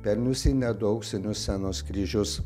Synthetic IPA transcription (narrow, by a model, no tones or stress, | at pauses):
pʲɛɾʲnʲʊsʲiːnʲɛd̪ɔʊksʲɛnʲʊsːʲɛnoːskɾʲiːʒʲʊs